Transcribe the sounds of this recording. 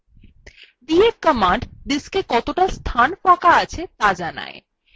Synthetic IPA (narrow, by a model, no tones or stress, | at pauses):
ɖ̪ieɾkəmaɳɖɖiskekɔt̪oʈast̪ʰanfakaat͡ɕʰet̪ad͡ʑana̰e